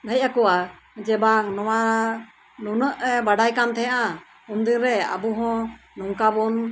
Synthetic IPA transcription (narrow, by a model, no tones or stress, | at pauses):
d̪ʱəj̚akɔwa | d͡ʒɛbaŋnɔwa | nunəʔbaɖajkamt̪ʰɛjãʔa | und̪inɾɛa̰buɦɔ̃ | nuŋkabɔn